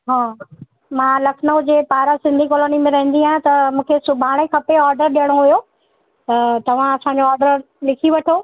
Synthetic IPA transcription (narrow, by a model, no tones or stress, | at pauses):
ɦaː | mãːlɐkʰnoːd͡ʑeːpaːɾasɪ̃nd̪ʱikɔːloːnimẽɾɐɦɪ̃n̆d̪iãt̪ɐmũːkʰesʊbʱaːɽ̃ekʰɐpeɔːɾɖəɾɗijəɽ̃oɦujo | t̪ɐt̪ɐʋ̤ãɐsãɲd͡ʑoɔːɾɖəɾ | lɪkʰiʋɐʈʰoː